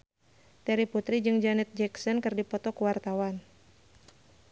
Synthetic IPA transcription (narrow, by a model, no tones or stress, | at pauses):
t̪ɛɾiput̪ɾid͡ʒɨŋd͡ʒanɛt̪̚d͡ʒɛksɔnkɨrdipɔt̪ɔkuwart̪awan